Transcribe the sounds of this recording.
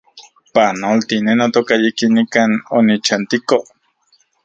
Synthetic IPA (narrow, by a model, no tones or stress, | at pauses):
panolt̪inenot̪okajikinikanonit͡ʃant̪iko